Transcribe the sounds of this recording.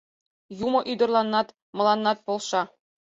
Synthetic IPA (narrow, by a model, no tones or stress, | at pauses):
jumɤ̆ʔyd̪ɤ̆rlˠɑnːɑt̪ | mɤ̆lˠɑnːɑt̪̚pŏlˠʃɑ